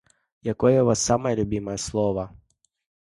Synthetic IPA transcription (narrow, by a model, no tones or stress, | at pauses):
jɐkɔjɛʋɑsːɑmɐjɛlʲʊbʲimɐjɛslˠɔʋɐ